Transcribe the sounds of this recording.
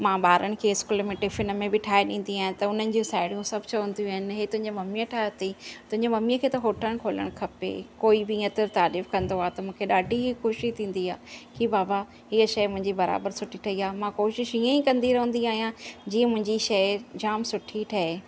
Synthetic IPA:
mãːɓaːɾəɽ̃ɪ̆kʰeɪskʊlmẽʈɪfɪnmẽbɪʈʰaːɦeɗḭ̃ːnd̪iaːɦɪ̃nt̪ɐʊn̤ənɪ̆d͡ʑũːsaːɪɽijũsɐbʱt͡ɕɐʋə̃nd̪ijũaːɦɪnɪ̆ɦeːt̪ʊ̃ɦɪ̃ɲd͡ʑemɐmijəʈʰaːt̪it̪ʊ̃ɦɪ̃ɲd͡ʑemɐmiəkʰeːt̪ɐɦoːʈʰəɽ̃kʰoːlə̰ɽ̃kʰɐpḛkoːibɪĩːɐt̪ɪɾt̪aːlɪfkɐ̃nd̪oaːt̪ɐmũːkʰeɗaːɖʱiɦixoːʃit̪ʰĩːn̆d̪iaːkʰibaːba | ɦiəʃɐjmʊ̃ɦɪ̃ɲd͡ʑibɐɾa̰ːbəɾsʊʈʰiʈʰɐiaːmãkoːʃɪʃiə̃ikɐ̃nd̪iɾɐɦũn̆d̪iaːɦijãd͡ʑiːə̃mʊ̃ɦɪ̃ɲd͡ʑiʃɐɪd͡ʑaːmsʊʈʰiʈʰɐɦeː

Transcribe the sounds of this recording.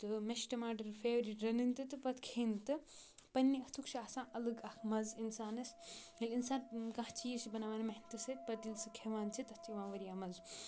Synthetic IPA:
t̪ɨmesʈɐmaːɖɐɾfʰeːʋɾiʈɾɐnɨnt̪ɨt̪ɨpɐt̪ʰkʰent̪ɨpɐnːiɐht̪ʰukt͡ʃʰiaːsãːʔɐlɐɡɐkʰmɐzinsaːnɐselinsaːnɡãht͡ʃʰijesibɐnaːʋaːnmɐɦnt̪ɨsɐt̪̚pɐt̪ilsɨkʰeʋaːnt͡ʃʰit̪ɐst͡ʃʰiʋãːʋɐɾijaːmɐz

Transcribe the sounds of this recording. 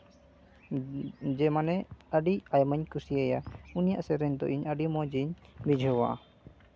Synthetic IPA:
d͡ʒɛmanɛəɖicajməɲkusiajaunija̰ʔsɛɾɛɲd̪ɔ̰ʔiɲəɖimɔd͡ʒiɲbid͡ʒʱɔwa̰

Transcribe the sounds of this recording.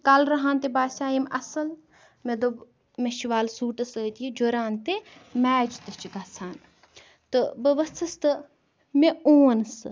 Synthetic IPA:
kɐlɾɐɦãːnt̪ebaːsʲaːjimɐsɐl | med̪oɡ | meʃiʋaːlsuːʈɐsəːt̪ijid͡ʒoːɾaːnt̪emɛːt͡ʃt̪ɐt͡ʃiɡaːsʰaːn | t̪ɨbɐʋɐst̪ʰɐst̪ɨ | meoːnsɨ

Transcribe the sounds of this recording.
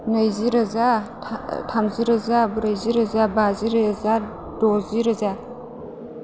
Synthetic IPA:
najziɾaza | tʰamziɾazabuɾajziɾazabaziɾaaza | doziɾaza

